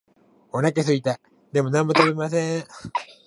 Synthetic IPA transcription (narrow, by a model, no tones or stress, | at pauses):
onakes̬ɨit̪a | d̪e̞mo̞nãmːot̪oβemas̬ẽ